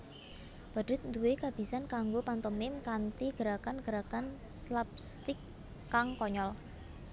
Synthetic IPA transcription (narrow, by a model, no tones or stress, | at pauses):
b̥a̤ɖ̥ɪt̪̚nd̪uwekab̥i̤sankaŋɡopant̪əmɪmkant̪iɡ̥əɾakanɡ̥əɾakanslap̚st̪ɪkː | aŋkɔɲɔl